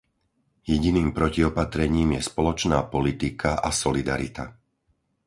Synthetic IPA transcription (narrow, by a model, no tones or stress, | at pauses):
jɛɟiniːmpɾɔciɔpat̪ɾɛɲiːmjɛspɔlɔt͡ʃnaːpɔlit̪ikʰaʔasɔlid̪a̰ɾit̪a